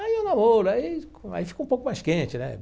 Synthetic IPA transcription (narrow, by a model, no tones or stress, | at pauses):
aienõbolʊai | a̰ifi̥kũpowkʊmajskẽt͡ʃɪnɛ̰